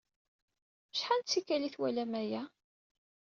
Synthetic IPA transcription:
mʃħant͡sːikːæliθwælæmæjæ

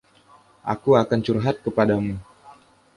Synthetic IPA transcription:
ʔa̰kuakant͡ʃurɦat̪̚kəpadamu

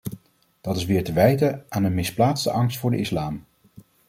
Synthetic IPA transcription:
d̥ɑtɪsʋɪːɹtəʋɛjtəaːnənmɪsplaːtstə̰ʔɑŋstfʊːɹdə̰ɪslaːm

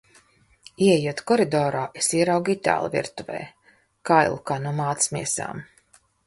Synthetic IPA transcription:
iɛjuɔt̪kɔɾid̪ɔːɾaːʔesiɛɾawɡit̪ʲa̰ːlˠvʲḭɾt̪uvɛ̰ː | kajlˠukaːnuɔmaːt̪smiɛsa̰ːm

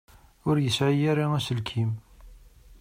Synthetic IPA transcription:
ʊɾjəsʕijæɾiæsəlkʰim

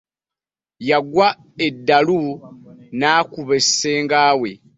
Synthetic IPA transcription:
jaɡwa | e̞dːalu | naːkuβe̞seːŋɡaːwe̞̰

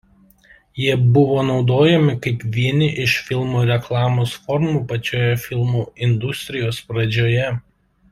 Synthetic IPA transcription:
jiɛbʊʋoːnɒʊd̪oːjɛmʲɪkɐɪpʋʲiɛnʲɪʔɪʃfʲɪlˠmuːɾʲɛklˠɑːmoːsfɔɾmuːpɐt͡ʃʲoːjɛfʲɪlˠmuːɪnd̪ʊsʲt̪ʲɾʲɪjoːspɾɐd͡ʒʲoːjɛ

